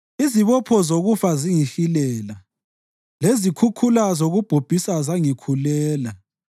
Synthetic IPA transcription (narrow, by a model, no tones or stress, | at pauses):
iziβɔpʰɔzoɣufaziŋiɬilɛːla | lezikʰukʰulazoɣub̥ʱob̥ʱisazaŋikʰulɛːla